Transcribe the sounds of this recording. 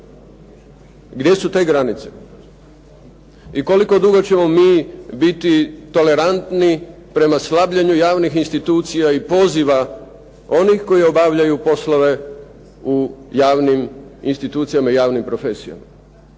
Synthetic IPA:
ɡd̪je̞sut̪e̞ːɡɾanit̪se̞ | iko̞liko̞d̪uɡot͡ɕe̞mo̞miːbit̪it̪o̞le̞ɾant̪ni | pɾe̞maslabʎaɲujaːʋnixinst̪it̪uːt̪sijaipo̞ziʋa | o̞nixko̞jio̞baʋʎajupo̞sloʋe̞ | ujaːʋniminst̪it̪uːt̪sijamaijaːʋnimpɾo̞fe̞sija̰ma

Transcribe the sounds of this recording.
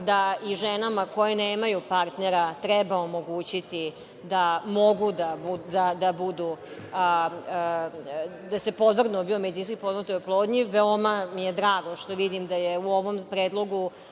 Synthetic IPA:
d̪aiʒenamako̞jeneːmajupaɾt̪neɾat̪ɾɛbaomo̞ɡuːt͡ɕit̪i | d̪amo̞ɡud̪abud̪ad̪abud̪u | d̪ase̞po̞d̪ʋr̩d̪nubiomed̪inskipod̪nat̪ojoplˠoːd̪ɲiʋeomamijed̪ɾaːɡo̞ʃt̪o̞ʋid̪imd̪ajeuo̞ʋo̞mpɾeːd̪lˠo̞ɡu

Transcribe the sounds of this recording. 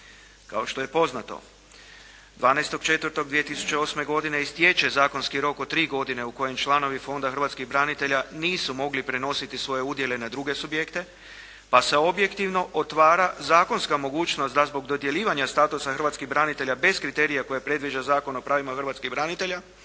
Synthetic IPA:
ka̰o̞ʃt̪o̞je̞po̞znat̪o̞̰ | d̪ʋaːnɛjst̪o̞ɡt͡ʃe̞t̪ʋəɾt̪o̞ɡd̪ʋije̞t̪isu̥t͡ʃe̞o̞ːsme̞ɡo̞d̪ine̞ist̪je̞t͡ʃe̞zaːko̞nskiɾo̞kot̪ɾiːɡo̞d̪ine̞uko̞jemt͡ʃlˠano̞ʋifo̞nd̪axərʋat̪kiɣbɾanit̪e̞ʎaniːsumo̞ɡlipɾe̞no̞sit̪isʋo̞je̞ud̪jele̞nad̪ɾuɡe̞subjekt̪e̞ | pase̞o̞bje̞kt̪iʋno̞ʔot̪ʋaːɾazaːko̞nskamo̞ɡuːt͡ʃnost̪d̪azbo̞ɡd̪o̞d̪je̞lʲiːʋaɲast̪aːt̪usaxər̩ʋat̪skiɦbɾanit̪e̞ʎabe̞skɾit̪e̞ːɾijako̞jepɾe̞d̪ʋid͡ʒazaːko̞no̞pɾaːʋimaxr̩ʋaːt̪skiɣbɾanit̪e̞ʎa

